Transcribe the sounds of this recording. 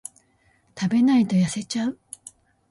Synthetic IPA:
t̪abe̞nait̪o̞jase̞t͡ɕaɯ̟

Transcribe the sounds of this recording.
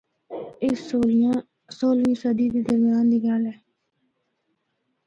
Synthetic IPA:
eoːãː | soːlĩːsəd̪iːd̪eːd̪əɾmjaːnd̪iːɡalɛː

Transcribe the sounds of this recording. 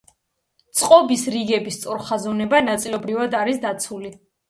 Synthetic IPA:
t̪sʼqʼɔbisɾiɡɛbist̪sʼɔɾχazɔnɛbanat̪sʼilɔbɾivad̪aɾisd̪at̪sʰuli

